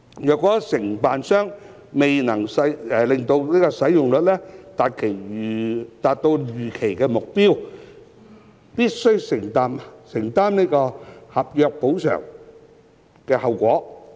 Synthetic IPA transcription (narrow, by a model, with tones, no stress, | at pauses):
jœː˨kːɔː˨˥sɪ˨˩ŋpaː˨nsœː˥ŋ | me˨jnɐ˨˩ŋsɐ˧jɛ˨˧lɪ˨ŋt̪o˧wniː˥kɔː˧sɐ˨˥jʊ˨ŋlɵ˨t̚lɛː˥t̪aː˨t̚kʰe˨˩j | t̪aː˨˧t̚t̪o˧wjyː˨˩kʰe˨˩jkɛː˧mʊ˨k̚piː˥w | piː˥t̚sɵ˥ɥsɪ˨˩ŋt̪aː˧msɪ˨˩ŋt̪aː˥mniː˥kɔː˧hɐ˨p̚jœː˨˧k̚po˨˥wsœ̰ː˨˩ŋ | kɛː˧hɐ˨˧wkʷɔː˨˥